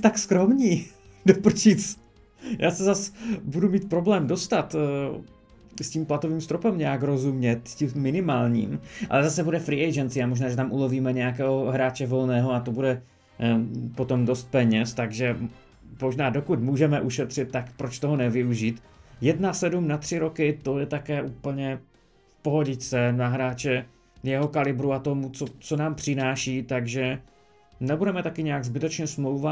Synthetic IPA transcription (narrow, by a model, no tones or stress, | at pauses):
t̪akskɾomɲiː | dopr̩t͡ʃiːt͡s | jʔaːsɛzasbudumiːt̪̚pɾo̞blɛːmdo̞st̪at̪ː | sciːmplat̪oviːmst̪ɾopɛmɲɛakɾo̞zumɲɛt̪ciːɪnɪmaːlɲḭːmʔa̰lɛzasɛbudɛfɾiːʔɛjd͡ʒɛnt̪t͡sɪamoʒnaːʒɛt̪amʔulo̞viːmɛɲɛjak̬ɛːɦoɦɾaːt͡ʃɛvo̞lnɛːɦoat̪obudɛ | po̞t̪o̞mdost̪̚pɛɲɛst̪aɡʒɛ | mo̞ʒnaːdo̞kut̪muːʒɛmɛʔuʃɛt̪r̝̥ɪt̪̚ːakpɾo̞t͡ʃt̪oɦonɛvɪuʒiːt̪ | jɛdnasɛdumnat̪r̝̥ɪɾo̞kɪt̪o̞jɛt̪akɛːʔuːpl̩ɲɛ | fpo̞ɦoɟɪt͡sɛnaɦɾaːt͡ʃɛ | jɛɦo̞kalɪbɾuat̪omut͡sot͡so̞naːmpr̥ɪnaːʃiːt̪aɡʒɛ | nɛbudɛmɛt̪akɪɲɛjaɡzbɪt̪ɛt͡ʃɲɛsmlowva